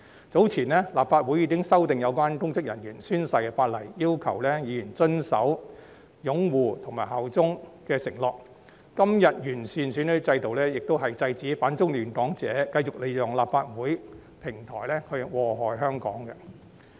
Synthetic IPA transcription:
t͡so˨˥wt͡sʰiː˨˩nɛː˥laː˨pfaː˧t̚wu˨˥jiː˨˧kɪ˥ŋsɐ˥wt̪ɪ˨ŋjɐ˨˧wkʷwaː˥nkʊ˥ŋt͡sɪ˥k̚jɐ˨˩njyː˨˩nsyː˥nsɐ˧jkɛː˧faː˧t̚lɐ˨˩jːiː˥wkʰɐ˨˩wlɛː˥jiː˨˧jyː˨˩nt͡sɵ˥nsɐ̰˨˥w | jʊ˨˥ŋwuː˨t̪ʰʊ˨˩ŋmaː˨jɦɐ˨˩wt͡sʊ˥ŋkɛː˧sɪ˨˩ŋlɔː˨˩kː | ɐ˥mjɐ˨t̚jyː˨˩nsyː˨nsyː˨˧nhɵ˨˥t͡sɐ˧jt̪o˨wlɛː˥jɪ˨k̚t̪o˥wɦɐ˨jt͡sɐ˧jt͡siː˨˥faː˨˥nt͡sʊ˥ŋlyː˨˩nkɔː˨˥ŋt͡sɛ̰ː˨˦kɐ˧jt͡sʊ˨k̚le˨˧jʊ˨˩ŋlaː˨pfaː˧t̚wuː˨˥j | pʰɪ˨˩ŋt̪ʰɔː˨˩jlɛː˥hɵ˧wɔː˨ɦɔː˨˩jɦœː˥ŋkɔ̰ː˨˥ŋkɛ˧

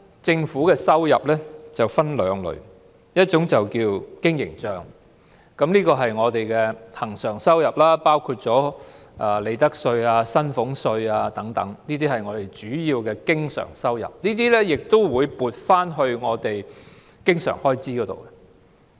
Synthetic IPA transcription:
t͡sɪ˧ŋfuː˨˥kɛː˧sɐ˥wjɐ˨˩p̚lɛː˥t͡sɐ˨wfɐ˥nlœː˨˧ŋlɵ̰˨˧ɥ | jɐ˥t̚t͡ʃʊ˨˥ŋt͡sɐ˨wkiː˧wkɪ˥ŋjɪ̰˨˩ŋt͡ʃœː˨ŋ | kɐ˨˥mniː˥kɔː˧ɦɐ˨jŋɔː˨˧t̪e˨jkɛː˧hɐ˨˩ŋsœː˨˩ŋsɐ˥wjɐ˨˩p̚laː˥paː˥wkʰuː˧t̚t͡sɔː˨˥aː˧˩le˨˧jt̪ɐ˥k̚sɵ˧ɥaː˧sɐ˥nfʊ˨˥ŋsɵ˧ɥaː˧t̪ɐ˨˥ŋt̪ɐ̰˨˥ŋniː˥t̪̬iː˥hɐ˨˩jŋɔː˨˧t̪e˨˩jt͡ʃyː˨˥jiː˧wkɛː˧kɪ˥ŋsœ̰ː˨˩ŋsɐ˥wjɐ̰˨p̚niː˥t̪iː˥lɛː˥jɪ˨k̚t̪o˥wwuː˨˧jpuː˨t̚faː˥nɦɵ˧ɥŋɔː˨˧t̪e˨j | kɪ˥ŋsœ̰ː˨˩ŋhɔː˥jt͡siː˥kɔː˨˧t̪o̰˨wkɛ˧

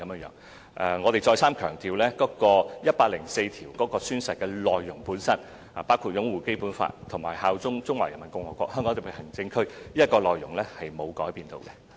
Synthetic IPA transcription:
kɐ˨mː˧ŋjœ̰ː˨˥ŋ | ʔɛ˨˧ŋɔː˨˧t̪e˨jt͡sɔː˧jsaː˥mkʰœː˨˩ŋt̪iː˧wlɛː˥kɔː˨˧˥kɔː˧jɐ˥t̚paː˧k̚lɪ˨˩ŋse˧jt̪ʰiː˨˩wkɔː˨˥kɔː˧syː˥nsɐ˨t̚kɛː˧lɔː˨jːʊ˨˩ŋpuː˨˥nsɐ˥n | a˨paː˥wkʰuː˧t̚jʊ˨˥ŋwuː˨˩ke˥jpuː˨˥nfa̰ː˧t̚t̪ʰʊ˨˩ŋmaː˨˩jhaː˧wt͡sʊ˥ŋt͡sʊ˥ŋwaː˨˩jɐ˨˩nmɐ˨˩nkʊ˧ŋwɔː˨˩kʷwɔ̰ː˧k̚hœː˥ŋkɔ˨˥ŋt̪ʊ˨˩pʰe˨˩hɐ˨˩ŋt͡sɪ˧ŋkʰɵ˥ɥli˥ɐ˥t̚kːɔː˧lɔː˨jːʊ˨˩ŋlɛ˥hɐ˨jmo˨˧wkɔː˨˥jpiː˧nt̪o̰˧wkɛ˧

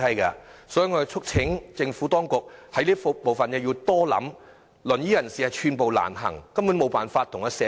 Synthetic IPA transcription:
ɐ˥jkɐː˧sɔ˨˥ji˨˧ŋɔ˨˧˨t͡ʃʰʊ˥k̚t͡sʰɪ˨˥ŋt͡sɪ˧ŋfuː˨˥t̪ɔː˥ŋkʊ˨k̚hɐ˨˥jliː˥ɐ˥fpo˨wfɐ˨nɛː˧ji˧wt̪ɔː˥lɐ̰˨˥m | lɵ˨˩njiː˥jɐ˨˩nsiː˨hɐ˨jt͡ʃʰyː˧npo˨wla̰ː˨˩nɦɐ̰˨˩ŋkɐ˥mpu˨˥nmo˨˧wpaː˨nfaː˧t̪ʰːʊ˨˩ŋhɐː˨˧sɛː˨˥

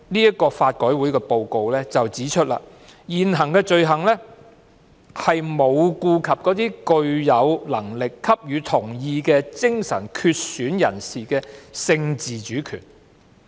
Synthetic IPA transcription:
niː˥jɐ˥t̚kːɔː˧faː˧t̚kɔː˨˥jwuː˨˥jkɛː˧po˨˧wko˨˧wlɛː˥t͡sɐ˨wt͡siː˨˥t͡ʃʰɵ˥t̚la̰ː˧ | jiː˨˩nɦɐ˨˩ŋkɛː˧t͡ʃɵ˨˧ɥɦɐ˨˩ŋlɛː˥ | hɐ˨jmo˨˧wkuː˧kʰɐ˨p̚kɔː˨˥t̪iː˥kɵ˧ɥjɐ˨˧wlɐ˨˩ŋlɪ˨kʰːɐ˥p̚jyː˨˧t̪ʰʊ˨˩ŋjiː˧kɛː˧t͡sɪ˥ŋsɐ̰˨˩nkʰyː˧t̚syː˨˥njɐ̰˨˩nsiː˨kɛː˧sɪ˧ŋt͡siː˨˩t͡ʃyː˨˥kʰy̰ː˨˩n

